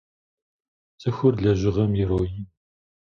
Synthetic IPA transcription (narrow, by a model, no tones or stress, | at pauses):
zɨxʷʊrɮɐʒɪʁɐmjɪɾoːji